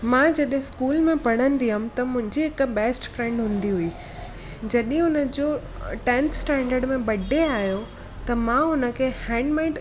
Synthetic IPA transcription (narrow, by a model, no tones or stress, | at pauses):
mãːd͡ʑɐɗɦɪ̃skuːlmẽpɐɽ̤ənɪ̆d̪iəm̃t̪ɐmʊ̃ɦɪ̃ɲd͡ʑiɦɪkbɛːsʈfɾɛ̃ɳɖɦʊ̃ːn̆d̪iɦuiː | d͡ʑɐɗɦɪ̃ʊnəd͡ʑoː | ʈɛ̃nt̪sʈɛ̃ːɳɖəɾɖmẽbɐɖʱeaːɦijo | t̪ɐmãːʊnə̆kʰeːhɛ̃ːɳɖmaːɪ̃ɖ